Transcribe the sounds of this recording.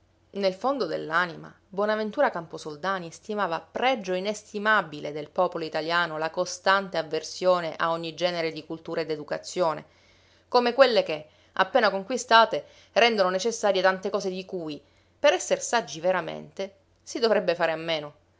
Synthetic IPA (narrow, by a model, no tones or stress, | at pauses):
nelfond̪od̪ḛlːaːnima̰ | bwɔːnavent̪uːɾakamposold̪aːnist̪imaːvapɾɛd͡ʒːoinest̪imabiled̪elpɔːpoloit̪aljaːnolakost̪ant̪eavːersjoːneʔa̰oɲːid͡ʒɛːneɾed̪ikult̪uːɾaed̪ed̪ukat̪sːjoːnḛ | komekwelːeke | a̰pːeːnakoŋkwist̪aːt̪e | rɛnd̪ononet͡ʃesːaːɾjet̪ant̪ekɔːzed̪ikuːj | peɾɛsːersad͡ʒːiveɾamḛnt̪e | sid̪ovɾɛbːefaːɾeamːeːno